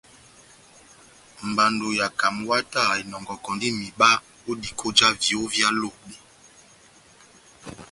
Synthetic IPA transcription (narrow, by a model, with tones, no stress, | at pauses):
m̩˨ba˨ndo˨ja˨ka˨m˦wa˦ta˦˨e˨nɔ˨ŋɡɔ˨kɔ˨ndi˦mi˨ɓa˦ | o˦di˨kʰo˦d͡ʒa˦vi˨o˦vja˦lo˦˨ɓe˨